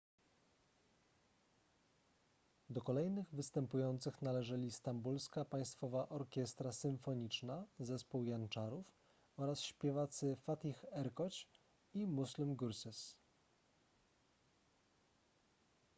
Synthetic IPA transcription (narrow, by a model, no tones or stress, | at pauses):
d̪ɔkɔlɛjnɘɣvɘst̪ɛmpujɔnt̪sɘxnalɛʐɛlʲist̪ambulskapaj̃st̪fɔvaʔɔɾkʲɛst̪ɾasɘɱfɔɲit͡ʂnazɛspuwjant͡ʂaɾuf | ɔɾasɕpʲjɛvat̪sɘfat̪ʲixɛɾkɔt͡ɕ | imuslumɡuɾsɘs